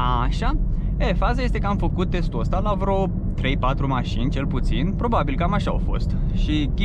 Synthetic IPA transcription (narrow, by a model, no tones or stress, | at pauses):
aʃa | efazajest̪e̞kəamfəkut̪̚ːe̞st̪uəst̪alavɾo | t̪ɾe̞jpat̪ɾumaʃinʲt͡ʃe̞lput̪sinpɾo̞babilkamaʃaa̰wfo̞̰st̪ʃikʲi